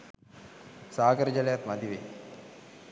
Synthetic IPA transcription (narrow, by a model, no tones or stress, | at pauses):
saːɡəɾəd͡ʒalejat̪mad̪iʋḛ